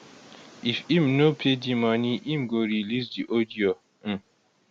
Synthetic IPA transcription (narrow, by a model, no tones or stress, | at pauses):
ifĩmnopʰedimaniʔĩmɡoɹilis̬diʔodiõ